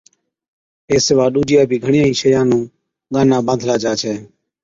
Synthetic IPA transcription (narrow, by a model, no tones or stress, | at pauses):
eːsɪʋaːɗuːd͡ʒɪjãːpiːɡʱəɳɪjãːĩːʃəjãːnũː | ɡaːnaːbə̃ːnd̪ʱlaːt͡ʃaːt͡ʃʰɛː